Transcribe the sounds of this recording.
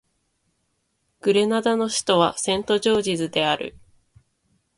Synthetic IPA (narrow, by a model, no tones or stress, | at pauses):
ɡ̥ɯ̟ɾe̞nad̪ano̞ɕi̥t̪o̞β̞asẽ̞nt̪o̞ʑo̞ːʑizɨd̪e̞aɾɯ̟̰